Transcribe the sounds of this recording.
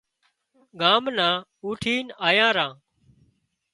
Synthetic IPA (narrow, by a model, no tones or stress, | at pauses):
ɡaːmnãː | uːʈʰiːnaːjãːɾãː